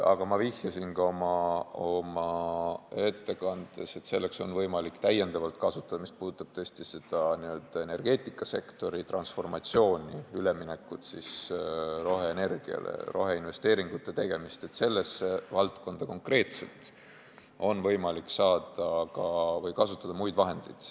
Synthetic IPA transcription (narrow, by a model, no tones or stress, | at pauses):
ɑ̰ɡ̥ɑmɑvihjɑsinɡɑo̞mɑo̞mɑ | e̞t̪ːe̞kɑnd̪̥e̞̰se̞t̪se̞lːe̞kso̞nvɤjmɑlikt̪æjːe̞nd̪̥ɑvɑlt̪ˑkɑsut̪ːˑɑd̪̥ɑmist̪̚puːd̪ut̪ːˑɑb̥t̪ɤsʲt̪ise̞d̪̥ɑniø̞ld̪̥ɑe̞ne̞rɡ̥e̞ːt̪ˑikːˑɑse̞kt̪o̞ɾit̪rɑnsfo̞rmɑt̪sio̞ːnʲiyle̞mine̞kːˑut̪sisro̞ɦeːne̞rɡ̥iɑ̰lḛro̞̰ɦe̞inve̞st̪e̞ːɾiŋɡ̥ut̪ːˑe̞t̪e̞ɡ̥e̞mist̪e̞t̪se̞lːe̞sevɑlt̪ko̞nd̪̥ɑko̞ŋkre̞ːt̪se̞lt̪ˑ | o̞nvɤ̞jmɑlikːsɑːd̪̥ɑkɑvɤjkɑsut̪ːˑɑd̪ɑmujd̪̥vɑɦe̞nd̪̥ejd̪̥